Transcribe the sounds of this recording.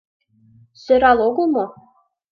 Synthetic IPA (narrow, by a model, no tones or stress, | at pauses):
sø̆ɾɑlˠoɡɤ̆lˠmɤ